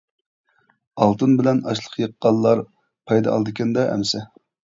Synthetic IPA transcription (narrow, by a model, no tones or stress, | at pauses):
ɑlˠt̪ɨnbɪlɛnɑʃlˠə̥qʰjəqːɑlˠːɑɾ | pʰɑjd̪ɑɑlˠd̪ɨkʲɛnd̪ɑʔɛ̰msɛ